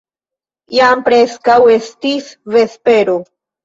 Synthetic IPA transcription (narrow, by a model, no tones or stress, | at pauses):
jampɾeskawest̪isvespeɾo